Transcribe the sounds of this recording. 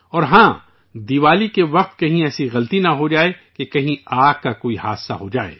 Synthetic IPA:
ɔːɾɦãː | d̪iːʋaːlikeʋɐq̚t̪kɐɦĩɛːsiɣɐlt̪inɐɦod͡ʒaːekekɐɦĩaːk̚kakoːiha̰ːsa̰ɦod͡ʒa̰ːḛː

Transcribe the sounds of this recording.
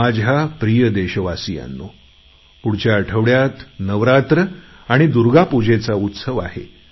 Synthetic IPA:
ad͡ʑʱapɾijəd̪eɕəʋasija̰nːo | puɽt͡ɕaəʈʰəʋɽjat̪nəʋɾat̪ɾə | aɽ̃id̪uɾɡapud͡ʑet͡saut̪səʋa̰hḛ

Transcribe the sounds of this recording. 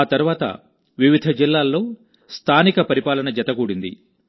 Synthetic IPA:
aːt̪ɐɾuʋaːt̪ɐ̰ | ʋiʋid̪ʱɐd͡ʒilːaːlːo̞ː | st̪ʰaːnikɐpɐɾipaːlɐnɐd͡ʒɐt̪ɐkuːɽind̪ḭ

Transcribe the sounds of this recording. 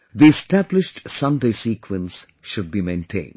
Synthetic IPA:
d̪iɛsʈæblɪʃʈsʌ̃ndeɪsiːkwə̃ns | ʃʊɖ̚biːmẽɪ̃nʈʰḛ̃ːnɖ

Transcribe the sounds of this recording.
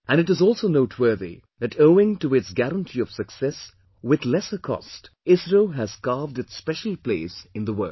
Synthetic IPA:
ʔæ̃nɨɾɨzɔlˠsoʊnoʊtʰwɜ˞ðḭ | ðɨtoʊɪ̃ŋtuɪtsɡæɾə̃ntʰiʌv̥sɨksɛs | wɪðlɛsə˞kʰɔ̰st | ɪsɹəlɦæz̥kɑːvdɨtspɛʃl̩ˠpleɪsɨ̃nðəwɜ̰˞

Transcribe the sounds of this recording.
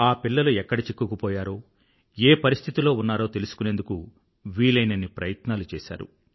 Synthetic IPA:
aːpilːɐluɛkːɐɽit͡ʃikːukupɔːjaːɾo̞ː | eːpɐɾist̪ʰit̪ilo̞ːunːaːɾo̞ːt̪e̞lusu̥kunend̪uku | ʋiːlɐjnɐnːipɾɐjɐt̪naːlut͡ʃɛ̰ːʃa̰ːɾṵ

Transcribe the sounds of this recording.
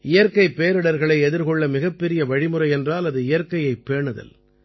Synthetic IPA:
ɪjɐɾkɐɪpːeːɾɐɽɐɾɣɐɭɐɪɛðɪɾkɔɭːɐmɪɣɐpːɛɾɪjɐʋɐɻɪmɯrɐɪɛndraːlɐðɯɪjɐɾkɐjɐɪpːeːɳɐðɐ̰l

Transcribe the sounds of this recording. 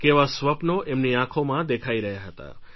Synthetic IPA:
keʋasʋəpnoʔemniãkʰomãd̪ekʰaiɾəɦjaɦət̪a̰

